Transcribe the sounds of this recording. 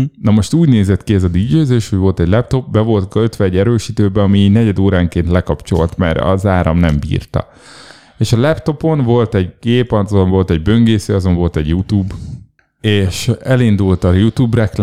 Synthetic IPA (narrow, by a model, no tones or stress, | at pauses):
nɒmo̞ʃt̪uːɟneːzɛt̪kiɛzɒd̪id͡ʒøːzeːʃhoɟʋo̞lt̪ɛɟlɛp̚t̪o̞p̚bɛvo̞lt̪ɡøt̪ʋɛːɟːɛɾøːʃiːt̪øːbɛɒminɛɟɛd̪oːɾaːŋkeːnt̪lɛkɒpt͡ʃo̞̰lt̪mɛ̰ɾɒ̰zaːɾɒ̰mnɛmbḭːrt̪ɒ̰ | eːʃɒlɛpt̪o̞po̞nvo̞lt̪ɛɟɡeːpɒnoɱvo̞lt̪ɛɟ̚bø̞ŋɡeːsøːɒzo̞ɱvo̞lt̪ɛɟjut̪uːb | eːʃɛlind̪ult̪ɒjut̪uːbrɛkl